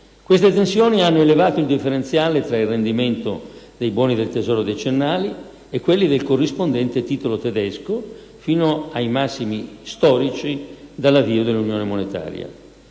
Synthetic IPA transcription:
kwest̪et̪ensjoːnianːoelevaːt̪oild̪ifːeɾent̪sjaːlet̪ɾailrːend̪iment̪o | d̪ejbwɔːnid̪elt̪ezɔːɾod̪et͡ʃenːaːli | ekːwelːid̪elkorːispond̪ɛnt̪et̪iːt̪olot̪ed̪ɛsko | fiːnoajmasːimist̪ɔːɾit͡ʃid̪alːaviːod̪elːunjoːnemonet̪a̰ːɾj̰a̰

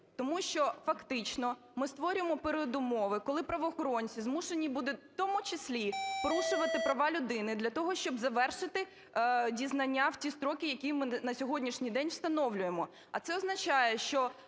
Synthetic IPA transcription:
t̪ɔmuʃt͡ʃɔfɐkt̪ɪt͡ʃnɔ | mɪst̪ʋɔɾʲʊemɔpeɾɪɔd̪ʊmɔʋɪkɔlˠɪpɾɐʋɔːxɔɾɔnʲt͡sʲizmuʃenʲibud̪ɛwt̪ɔmʊt͡ʃɪsʲlʲipɔɾuʃʊʋɐt̪ɪpɾɐʋɑlʲʊd̪ɪnɪd̪lʲɐt̪ɔɦɔʃt͡ʃɔbzɐʋɛrʃɪt̪ɪ | dʲiznɐnʲːaw̥tʲist̪ɾɔkɪjɐkʲimɪnɐsʲɔɦɔdʲnʲiʃnʲijd̪ɛnʲwst̪ɐnɔwlʲʊjemɔ | ɐt̪sɛɔznɐt͡ʃajɛʃt͡ʃɔ

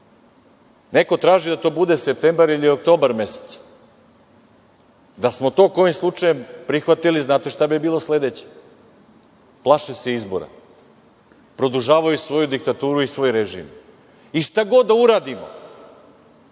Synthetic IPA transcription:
ne̞ko̞t̪ɾaːʒid̪at̪o̞ːbud̪esep̚t̪embaɾiliok̚t̪o̞ːbaɾme̞se̥t̪s | d̪asmot̪o̞ːko̞jimslˠut͡ʂajempɾixʋat̪iliznaːt̪eʃt̪abibiːlo̞sle̞d̪et͡ɕe̥ | plˠaʃeseizbo̰ɾa̰ | pɾo̞d̪uʒaːʋajusʋo̞jud̪ik̚t̪at̪uːɾuisʋo̞ːjɾeʒḭm | iʃt̪aɡo̞d̪ːauɾaːd̪imo̰

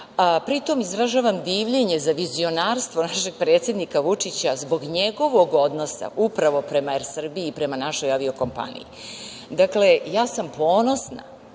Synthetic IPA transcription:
pɾit̪o̞mizɾaʒaːʋamd̪iːʋʎe̞ɲezaʋizio̞naːɾst̪ʋo̞naʃe̞ɡ̚pɾe̞ːt̪sjed̪nikaʋut͡ʂit͡ɕazbo̞ɡɲe̞ɡo̞ʋo̞ɡo̞d̪no̞sa̰ʔupɾaʋo̞pɾe̞maeɾsr̩biiːpɾe̞manaʃo̞jaʋio̞ko̞mpa̰nḭḭ | d̪akle̞jaːsampo̞ːno̞sna̰

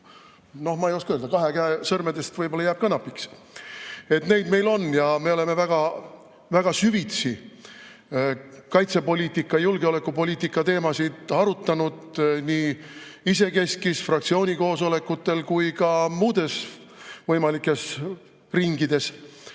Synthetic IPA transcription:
no̞hmɑejo̞skɑøld̪ɑkɑɦe̞kæesɤrmed̪e̞st̪vɤjbo̞lːɑjæːb̥̚kɑnɑpːˑiks | e̞t̪ne̞jd̪̥me̞jlo̞njɑme̞o̞le̞me̞væɡ̥ɑ | væɡ̥ɑsyvit̪si | kɑjt̪se̞po̞lʲiːt̪ːˑikːˑɑjulɡ̥eo̞le̞kːˑupo̞lʲiːt̪ːikːˑɑt̪e̞ːmɑsid̪̥ɑɾut̪ːˑɑnud̪̥niːise̞ke̞skisfrɑk̚t̪sio̞ːnʲiko̞ːso̞le̞kːut̪ːe̞lkujkɑmuːd̪̥e̞s | vɤjmɑlikːˑe̞s | riŋɡ̥id̪̥e̞s

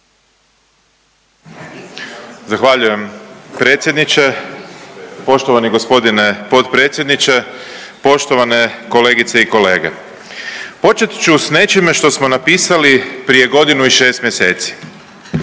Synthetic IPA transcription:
zaxʋaʎuje̞mpɾet̪sʲje̞d̪nit͡ʃe | po̞ʃt̪o̞ʋaniɡo̞spo̞d̪ine̞po̞t̪pɾe̞ːt̪sje̞d̪nit͡ʃe̞po̞ʃt̪o̞ʋane̞ko̞le̞ːɡit̪seiko̞le̞ːɡḛ | po̞t͡ʃet̪t͡ʃusne̞t͡ʃime̞ʃt̪o̞smo̞napiːsalipɾije̞ɡo̞d̪inuiʃe̞ːst̪mje̞se̞ːt̪si̥

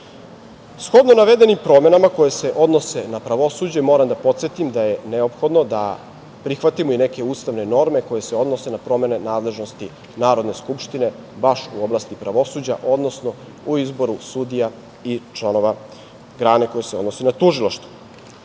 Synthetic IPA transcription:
sxo̞d̪nonaʋed̪e̞nimpɾo̞me̞namakojese̞ʔo̞d̪no̞se̞napɾaʋo̞suːd͡ʑe̞mo̞ːɾamd̪apo̞t̪set̪imd̪aje̞neo̞pxo̞d̪no̞d̪a̰ | pɾixʋat̪imuine̞ke̞ust̪aʋne̞no̞ɾme̞ko̞je̞seo̞d̪no̞se̞napɾo̞me̞ne̞naːd̪le̞ʒno̞st̪i | naːɾo̞d̪ne̞skupʃt̪ine̞ | baʃuoblaːst̪ipɾaʋo̞suːd͡ʑa̰ʔo̞d̪no̞sno̞ | uizbo̞ɾusud̪ija | it͡ʃlˠano̞ʋa | ɡɾaːneko̞jeseo̞d̪nosenat̪uʒilˠaʃt̪u̥

